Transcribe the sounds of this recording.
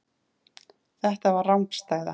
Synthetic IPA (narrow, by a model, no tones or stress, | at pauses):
θɛht̪avaɾːawmkst̪aːjða̰